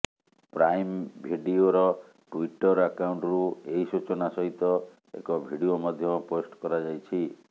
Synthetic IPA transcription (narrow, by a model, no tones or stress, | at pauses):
pɾajmbʱiɖioɾɔ | ʈuiʈɔɾakauɳʈɔɾueɦisut͡ʃɔnasɔɦit̪ɔ | ḛkɔbʱiɽiomɔd̪ʱjɔposʈkɔɾad͡ʒajt͡ʃʰi